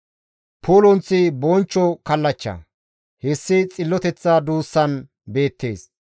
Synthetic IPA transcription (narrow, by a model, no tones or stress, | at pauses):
pʰuːlɔnt͡sːɪbɔnt͡ʃːɔkɐlːɐt͡ʃːɐ̰ | hɛsːɪt͡sʼɪlːɔt̪ɛt͡sːɐd̪uːsːɐn | be̞ːt̪ːe̞ːs